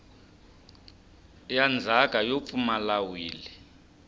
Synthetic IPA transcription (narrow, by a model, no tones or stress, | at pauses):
jand͡zʱakʼajop̪fumalawiːlɛ